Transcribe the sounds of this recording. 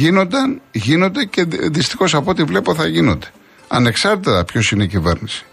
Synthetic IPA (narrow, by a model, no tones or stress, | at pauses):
ino̞nd̪ɐnʝino̞nd̪e̞ce̞ðist̪ixo̞sɐpot̪ivle̞poθɐʝino̞nd̪e̞̥ | ɐ̰ne̞ksɐɾt̪it̪ɐpço̞sine̞icive̞̰ɾnisi̥